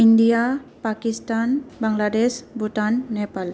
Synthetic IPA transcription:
indijapakistanbaŋladesbʱuʈtanːɛpal

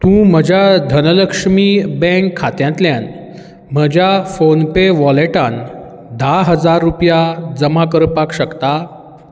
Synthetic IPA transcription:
t̪ũm̤əd͡ʑʱjad̪ʱənələkʂmiːbɛ̃kʰːat̪jãnt̪ljãn | m̤əd͡ʑʱjafonpeʋɔleʈãn | d̪ʱaɦəd͡zaɾːupjad͡zəmakəɾpakɕəkt̪a

